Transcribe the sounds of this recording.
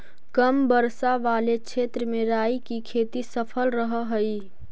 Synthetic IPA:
kəmbəɾsaʋaːlekt͡ʃʰeːt̪ɾəmẽɾaːikikʰeːt̪isəpʰəlɾəɦɦəi

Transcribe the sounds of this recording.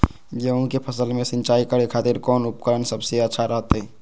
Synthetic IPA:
jeʊ̃nkepʰəsəlmẽsɪ̃nt͡ʃaːikəɽekʰaːt̪ɪɾkɔːnʊpkəɾənsəbseətːʃʰaɾəɦt̪ɦɛ

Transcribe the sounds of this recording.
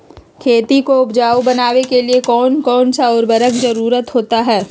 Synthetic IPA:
kʰeːt̪ikoʊpd͡ʒaːubɐnaːʋekeliekɔːnkɔːnsaɔːɾbɐɾəkʰzɐɾuːɾət̪ɦoːt̪aɦɛː

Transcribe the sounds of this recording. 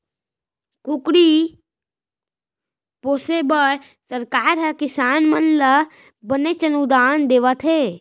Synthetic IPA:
kʊkɽi | poːsebəɽ | səɾkaːɾɦɐkɪsaːnmənlə | bənet͡ʃənud̪aːnd̪eːʋət̪ʰeː

